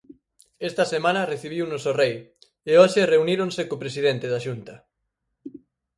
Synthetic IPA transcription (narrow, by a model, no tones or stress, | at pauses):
ɛst̪ɐsemãnɐreθiβ̞iwnosorej | eoʃereuniɾõnsekopɾes̬iðent̪eðaʃunt̪ɐ